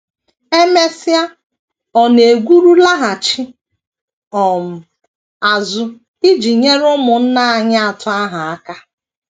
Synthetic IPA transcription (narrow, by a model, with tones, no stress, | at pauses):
e˦me˦sɪ˦a˦ | ɔ˨ne˨ɡʷu˦ɾu˦la˦ɦa˨t͡ʃɪ˦ | ɔ˨m̩˨ | a˨zʊ˦ | i˦d͡ʒi˨ɲe˦ɾʊ˦mʊ˨n̩˦na˦a˨ɲa˦a˨tʊ˦a˦ɦa˨a˦ka˦